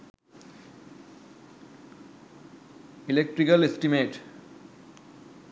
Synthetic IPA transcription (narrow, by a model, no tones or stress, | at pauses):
ilek̚ʈɾikəlesʈimeːʈ